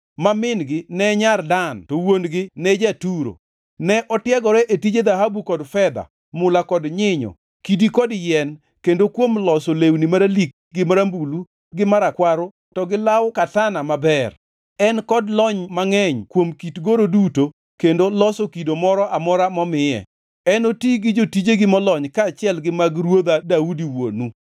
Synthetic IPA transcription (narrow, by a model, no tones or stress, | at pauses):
mamɪnɡɪnɛɲardantowonɡɪnɛd͡ʒatuɾo̰ | nɛʔɔtjɛɡɔɾɛʔetid͡ʒed̪aɦabukɔdfɛd̪a̰ | mʊlakɔdɲɪɲɔ̰ | kidikɔdjɛn | kendokwomlɔsolewnimaɾalik̚ɡɪmaɾambulu | ɡɪmaɾakwaɾo | tɔɡɪlawkatanamabɛr | ɛnkɔdlɔɲmaŋɛɲkwomkitɡoɾoduto | kendolɔsokidomɔɾɔʔamɔɾamɔmɪjɛ̰ | ɛnotiɡɪd͡ʒotid͡ʒeɡɪmɔlɔɲkaːt͡ʃɪɛlɡɪmaɡɾwod̪adaudiwo̰nu